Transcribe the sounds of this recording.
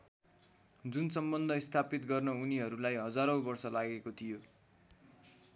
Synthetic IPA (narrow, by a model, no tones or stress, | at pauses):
d͡zunsʌmbʌnd̪ʱʌist̪ʰapit̪ɡʌrnʌuniɦʌɾulajɦʌd͡zaɾʌwbʌrsʌlaɡekot̪ʰijo